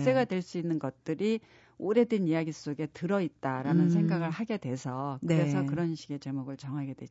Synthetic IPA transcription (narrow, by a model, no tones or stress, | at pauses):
s͈e̞ɡadwe̞ɭs͈uinːɯnɡʌt̚t͈ɯɾi | oɾe̞dwenijaɡis͈oɡe̞tɯɾʌit̚t͈aɾanɯnsʰe̞ŋɡaɡɯɭɦaɡe̞dwe̞sʰʌkɯɾe̞sʰʌkɯɾʌnɕʰi̥ɡe̞t͡ɕe̞muɡɯɭt͡ɕʌŋɦaɡe̞dwe